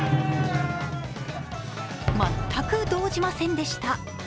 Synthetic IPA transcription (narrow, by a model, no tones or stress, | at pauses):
mat̪ʰːakɯ̟d̪o̞ːʑimasẽ̞nd̪e̞ɕi̥t̪a